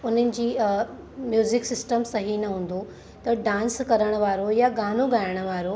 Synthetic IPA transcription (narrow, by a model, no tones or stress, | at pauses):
ʊn̤ənɪ̆d͡ʑiː | mjuːzɪksɪsʈəmsɐɦinɐɦũːn̆d̪o | t̪ɐɖãːnskɐɾəɽ̃ə̆ʋaːɾojaɡaːnoɡaːjɪəɽ̃ə̆ʋaːɾo